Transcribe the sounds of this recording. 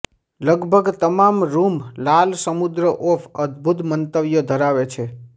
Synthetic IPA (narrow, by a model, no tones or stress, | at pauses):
ləɡbʱəɡt̪əmamɾumlalsəmud̪ɾəʔofʰəd̪ʱbʱut̪mənt̪əʋjod̪ʱəɾaʋet͡ʃʰe